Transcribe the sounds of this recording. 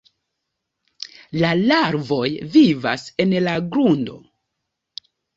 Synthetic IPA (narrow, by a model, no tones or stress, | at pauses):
lalaɾvo̞jviva̰se̞nlaɡɾundo̞̰